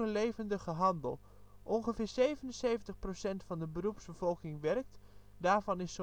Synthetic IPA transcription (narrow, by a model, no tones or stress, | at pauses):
əlejvəndəχəɦɑndə̰lˠ | ʔɔnχəvɪːɹsejvənənsejvəntəχprosɛntfɑndəbərupsbəv̥ɔlˠkɪŋʋɛrk̚t | daːɹvɑnɪso